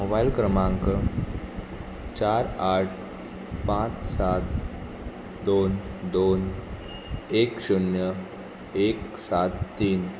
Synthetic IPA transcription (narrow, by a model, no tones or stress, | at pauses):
mobajlkɾəmãŋkə | t͡ɕaɾaʈ̚ʰ | pãt͡ssat̪̚ | d̪ond̪on | ekɕunjə | eksat̪ːiːn